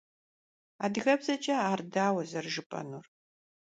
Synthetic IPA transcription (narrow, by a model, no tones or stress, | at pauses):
aːdɨɣɐbzɐt͡ʃʼɐaːrdaːwɐzɐrʒɨpʼɐ̰nuːr